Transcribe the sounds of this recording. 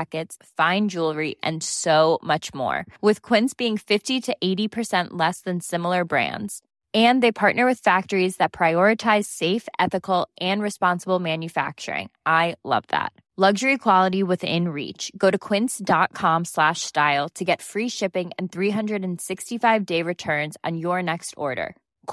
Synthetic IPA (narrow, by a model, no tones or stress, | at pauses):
kɨts | fãɪ̃nd͡ʒulˠɹiʔɨ̰̃nsoʊmʌt͡ʃmɔ̰ɹwɪð̥kʰw̥ɪ̃nsb̥iɪ̃ŋfɪftiɾɨʔeɪɾipʰə˞sɛ̃nʔlɛsðɨ̃nsɪ̃ml̩ˠə˞bɹæ̰̃ndz̥ | ɨ̃nðeɪpʰɑɹʔⁿnə˞wɨð̥fæk̚tə˞izðɨt̚pʰɹ̥aɪɔɹɨtʰaɪz̥seɪfʔɛθɨkl̩ˠʔɨ̃nɹɨspɑ̃nsəbl̩ˠmæ̃njɨfæ̰k̚t͡ʃə̰˞ɪ̰̃ŋʔaɪlʌ̰vðæ̰t̚ | lʌɡʒə˞ikʰw̥ɑlˠəɾiwɨðɪ̰̃nɹḭt͡ʃɡ̥oʊɾɨkʰw̥ɪ̃nsd̥ɑt̚kʰɑ̃mslæʃstaɪl̩ˠtʰɨɡɛtfɹiʃɪpɪ̃ŋɨ̃nθɹiɦʌ̃ndɹɨɾɨ̃n̩sɪkstifaɪvdeɪɹɨtʰɜ̃˞nz̃n̩jə˞nɛkstʰɔ̰ɹɾə̰˞